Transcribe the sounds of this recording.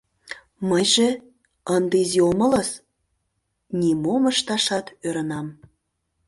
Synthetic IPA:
məjʒĕ | ənd̪iziomə̆ləs | nʲimoməʃt̪ɑʃɑt̪øɾə̆nɑm

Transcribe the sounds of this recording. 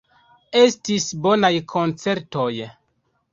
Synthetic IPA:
estisbonajkʰont͡se̞ɾtoj

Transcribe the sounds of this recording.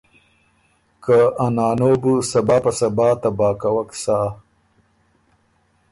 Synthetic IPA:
kaɐnaːnoːbusɐbaːpɐsɐbaːt̪ɐbaːkɐwɐksa

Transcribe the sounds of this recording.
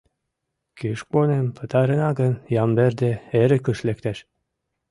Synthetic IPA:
kyʃponempʰə̆t̪ɑɾə̆nɑɡənjɑmberd̪eeɾĕkəʃlekt̪æʃ

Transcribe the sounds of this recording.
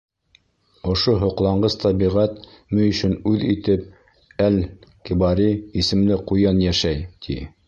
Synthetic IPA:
ŏʃoɦŏqlˠɑɴɢɤst̪ʰɑbiʁæt̪ | mɘɵ̆ʃɵnʉðit̪ɘp̚ | ælkibɑɾiisɘ̆mlɘqujɑnjæʃæjt̪ʰḭ

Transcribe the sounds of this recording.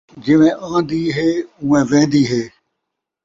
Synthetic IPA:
d͡ʒɪʋẽːʔãːd̪iːɦeːũːẽːʋẽːnd̪iːɦeː

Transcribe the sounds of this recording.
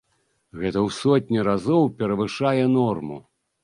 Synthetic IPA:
ɣɛt̪ɐwsɔt̪̚ʲnʲiɾazɔwpʲɛɾɐvɨʂajɛnɔrmṵ

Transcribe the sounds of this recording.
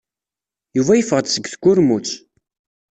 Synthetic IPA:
juvæjəfəʁd̪səɡθɡʊɾmut͡sː

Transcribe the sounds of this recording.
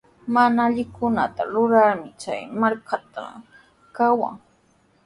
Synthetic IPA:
manaːʎɪkʊnat̪aɾʊɾaɾmɪt͡ʃa̰jmaɾkat̪a̰ | kawa̰ŋ

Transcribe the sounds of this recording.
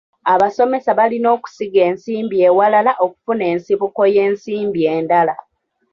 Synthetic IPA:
aβaso̞me̞saβalino̞ːku̥siɡe̞ːnsiːmbieːwalalaʔo̞ku̥fune̞ːnsiβuko̞je̞ːnsiːmbie̞ːndala

